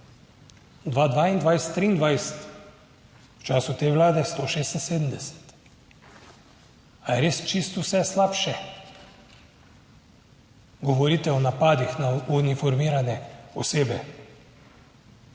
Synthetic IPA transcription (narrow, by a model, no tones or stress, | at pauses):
d̪ʋad̪ʋaind̪ʋajst̪ːɾiːnd̪ʋajst̪ | wt͡ʃaːsut̪eʋlaːd̪ɛst̪oːʃeːst̪n̩seːd̪m̩d̪ɛsɛ̥t̪ | ajɛɾeːst͡ʃist̪usɛslapʃɛ | ɡɔʋɔɾiːt̪ɛɔnapaːd̪ixnaunifɔɾmiːɾanɛɔseːbɛ